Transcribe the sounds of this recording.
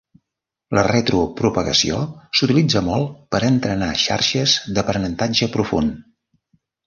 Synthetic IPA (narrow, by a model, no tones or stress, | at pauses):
ləret̪ɾupɾupəɣə̰sḭosut̪ilid͡zəmɔlˠpəɾənt̪ɾənaʃa̰ɾʃəzðəpɾənənt̪ad͡ʒəpɾufun